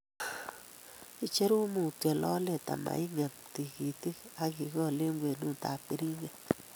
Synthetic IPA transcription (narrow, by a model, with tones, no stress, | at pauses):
i˦t͡ʃe˦ɾu˦mu˨t̪a˨lɔ˦le˦t̪a̰˨ma̰˨i˦ŋa˨k̚t̪i˨ɡi˨t̪i˦ka˦ɡi˨ɡɔ˦˨le˦ŋɡʷwʷe˨nu˦˨t̪a̰˨pi˨˦ɾi˦ŋa˨